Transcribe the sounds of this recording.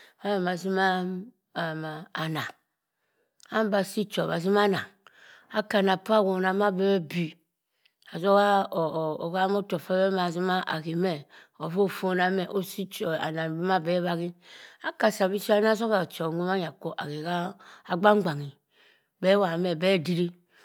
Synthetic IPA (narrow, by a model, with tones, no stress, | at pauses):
fa˦e˨ma˨zi˦ma˦˨ | maː˨na˨ | a˦m˦ba˨si˦t͡ʃo˨βa˨zi˦ma˦na˨ | a˦ka˨na˨pa˦˨ɡo˨na˨ma˦bɛ˦wɛ˦bi˨ | a˨zo˦ɣa˦˨o˨ɣa˦mo˦to˨fa˦βɛ˦ma˨zi˦ma˦ʔa̰˨ɣi˨mɛ˦ | o˨βo˦˨fo˦na˨˦me˨ʔo˦si˦t͡ʃo˨a̰˨na˨bi˦ma˦be˦βa˦ɣi˦a˦ka˨sa˨βi˦si˦a˦na˦zo˦ɣa˨t͡ʃo˨ŋʷu˦ma˦ɲa˨ko˦ʔa˨ɣe˨ɣa˦a˨ɡ͡ba˦ŋ͡mɡ͡ba˨ŋi˨ | be˦wa˨me˨bɛ˦˨di˦ɾi˦